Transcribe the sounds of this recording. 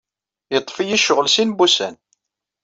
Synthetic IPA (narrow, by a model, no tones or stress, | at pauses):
jət̪ˤːfijiʃəʁəlsinbusæ̰n